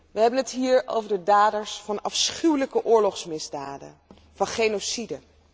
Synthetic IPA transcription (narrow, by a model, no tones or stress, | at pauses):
ʋəɦɛbənətɦiːɹo̰wvəɹdədaːdəɹsfɑnɑfsχywləkəʔʊːɹlɔχsmɪzdaːdə̰ | vɑnχejnosidə